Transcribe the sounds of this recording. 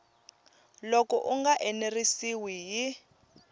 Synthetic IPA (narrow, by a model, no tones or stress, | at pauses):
lokɔʔuŋɡaʔɛnerisiwiji